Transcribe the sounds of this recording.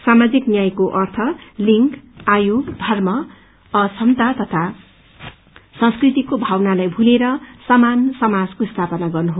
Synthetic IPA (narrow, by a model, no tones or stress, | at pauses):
samad͡ziknjajkoʔʌrt̪ʰʌliŋkajoɡd̪ʱʌrmʌ | ʌsʰʌmt̪at̪ʌt̪ʰa | sʌ̃ŋskrit̪ikobʱawnalajbʱuleɾʌsʌmansʌmad͡zkost̪ʰapʌnaɡʌrnuɦo